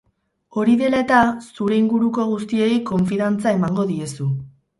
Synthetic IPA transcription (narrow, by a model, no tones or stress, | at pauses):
o̞ɾiðe̞lae̞t̪asuɾe̞iŋɡuɾuko̞ɣ̞ust̪ie̞jko̞ɱfiðant͡sae̞maŋɡo̞ðie̞su